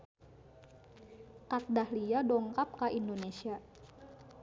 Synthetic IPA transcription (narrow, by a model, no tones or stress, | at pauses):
kat̪̚dahliadɔŋkap̚kaʔindonesia